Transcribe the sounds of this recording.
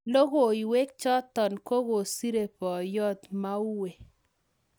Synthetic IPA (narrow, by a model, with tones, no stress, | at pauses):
lo˦ɡo˨i˨we˦k̚t͡ʃɔ˦t̪ɔ˨nko˦ɡo˨si˦ɾe˨pɔ˨jɔ˦t̪ma˦u˦we˨